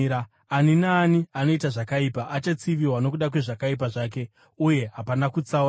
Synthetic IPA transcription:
a | aninaːniano̞itaʐakaipaʔat͡ʃat͡siʋiwano̞k̬uɗakwe̞ʐakaip̬aʐaːk̬e̞ | uje̞ɦapanakut͡sa

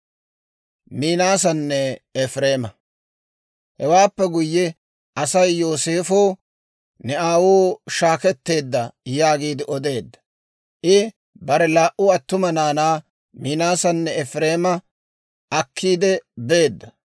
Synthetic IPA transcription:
miːnaːsɐnːɛɛfɾeːmɐ | hɛwaːpːɛɡʊjːɛ | ʔɐsɐjːoːse̞ːfoː | nɛaːwoːʃaːkɛt̪ːe̞ːd̪ːɐjaːɡiːd̪ɪʔɔd̪e̞ːd̪ːɐ̥ | ʔɪ | bɐɾɛlaːʔʊɐt̪ːʊmɐnaːnaː | miːnaːsɐnːɛɛfɾe̞ːmɐ | ʔɐkʰːiːd̪ɛbe̞ːd̪ːɐ

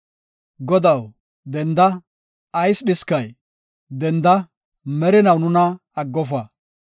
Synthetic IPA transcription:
ɡɔd̪ɐw | d̪ɛnd̪ɐ | ɐjsɗɪskɐj | d̪ɛnd̪ɐ | mɛɾɪnɐwnʊnɐ | ɐɡːɔfɐ

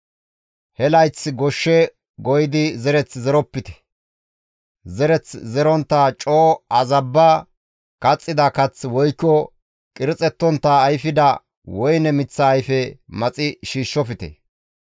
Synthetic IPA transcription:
hɛlɐjt͡sɡɔʃːɛ | ɡɔjɪd̪ɪzɛɾɛt͡szɛɾɔpːɪt̪ɛ̥ | zɛɾɛt͡szɛɾɔnt̪ːat͡ʃʼoːɐzɐbːɐ | kɐt͡sʼːɪd̪ɐkɐt͡swɔjkːɔ | kʼɪɾɪt͡sʼɛt̪ːɔnt̪ːɐːjfɪd̪ɐ | wɔjnɛmɪt͡sːɐːjfɛmɐt͡sʼɪʃiːʃːɔfɪt̪ɛ̰

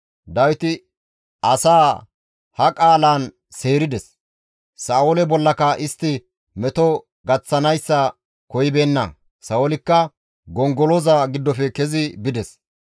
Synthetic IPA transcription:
d̪ɐwɪt̪ɪ | ɐsaː | hɐkʼaːlaːn | se̞ːɾɪd̪ɛs | saːɔlɛbɔlːɐkɐʔɪst̪ːɪ | mɛt̪ɔ | ɡɐt͡sːɐnɐjsːɐ | kɔjɪbe̞ːnːɐ̰ | sɐwɔlɪkːɐ | ɡɔŋɡɔlɔzaɡɪd̪ːɔfɛkɛzɪbɪd̪ɛs

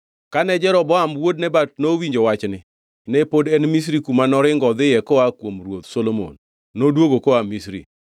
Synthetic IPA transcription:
kanɛd͡ʒɛɾɔbɔamwod̚nɛbat̚nowiɲd͡ʒowat͡ʃnɪ | nɛpodɛnmis̬ɾikumanɔɾɪŋɡɔd̪ɪjɛkɔakwomrwot̪solomo̰nː | odwoɡokoamisɾḭ

